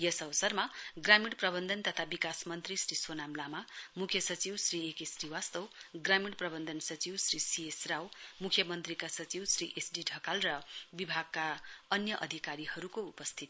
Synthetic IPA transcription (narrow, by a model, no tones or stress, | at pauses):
jʌsʌβʌsʌrmaɡramiɽprʌbʌnd̪ʱʌnt̪ʌt̪ʰabikasmʌnt̪risrisonamlamamukʰjʌsʌt͡siwsriekesriwast̪ʌwɡramiɽprʌbʌnd̪ʱʌnsʌt͡siwsrisiesrawmukʰjʌmʌnt̪rikasʌt͡siwsriʔesɖiɖʱʌkalrʌbibʱaɡ̚kaʌnjʌʔʌd̪ʱikaɾihʌɾukoupʌst̪ʰit̪